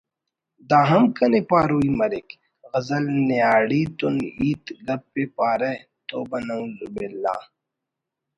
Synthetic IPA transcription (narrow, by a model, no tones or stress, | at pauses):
d̪aːɦɐmkɐnepaːɾuːimɐɾɪk | ɣɐzɐlneaːɽiːt̪uniːt̪ɡɐb̚ːepaːɾɐ | t̪oːbɐnɐũlbelːa̰ː